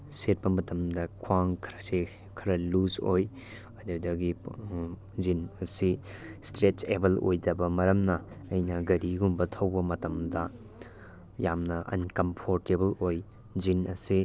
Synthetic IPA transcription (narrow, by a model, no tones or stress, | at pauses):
set̚pɐmɐtʰɐmdɐkʰwaŋkʰɾse | kʰɐɾɐluzoj | ɐdudɐɡi | d͡ʒinɐsistɾet͡ʃebɐlo̰jdɐbɐmɐɾɐmnɐːjnɐɡɐɾiɡumbɐtʰɐwbɐmɐtɐmdɐ | jamnɐʔɐ̰nkɐmpʰoɾtebɐloj | d͡ʒinɐsi